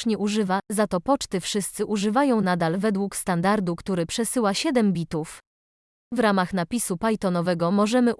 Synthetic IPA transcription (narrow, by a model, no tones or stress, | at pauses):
ɲɛʔuʐɘvazat̪ɔpɔt͡ʂt̪ɘfʂɘst̪sɘʔuʐɘvajɔ̃w̃nad̪alvɛd̪wukst̪and̪aɾd̪ukt̪uɾɘpʂɛsɘwaɕɛd̪ɛmbʲit̪uf | vɾamaxn̪apʲisupajt̪ɔnɔvɛɡɔmɔʐɛmɘ